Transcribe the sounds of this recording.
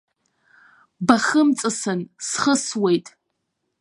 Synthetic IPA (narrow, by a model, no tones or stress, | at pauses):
baχəmt͡sʼɨsɨnsχəswejtʼ